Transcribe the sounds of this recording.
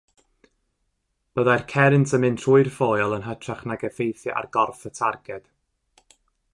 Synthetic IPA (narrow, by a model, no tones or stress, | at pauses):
b̥əðajrkʰɛɾɪntʰəmɨntʰruɨrfoːjɔlˠənɦətʰraχnaɡəfejθjəʔa̰rɡ̥ɔrfətʰarɡɛd̥